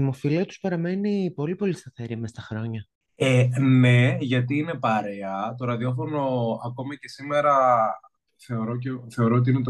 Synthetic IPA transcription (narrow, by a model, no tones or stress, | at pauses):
imofiliɐt̪uspɐɾɐme̞nipo̞lipo̞list̪ɐθeɾiɐmest̪ɐxɾo̞ɲɐ | enne̞ʝɐt̪iine̞pɐɾeɐt̪o̞ɾɐðio̞fo̞no̞ɐko̞mice̞sime̞ɾɐ | θe̞o̞ɾo̞ceθe̞o̞ɾoot̪iine̞t̪